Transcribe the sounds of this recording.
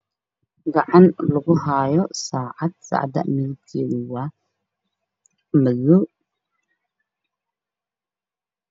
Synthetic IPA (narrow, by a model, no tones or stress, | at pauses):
ɡɑʕɑnlɐɣʊɦaːjɔsaːʕɑd̪̚sɑ̰ːʕd̪ɐ̰mɪðt̪ʰiwa | mɐðʊ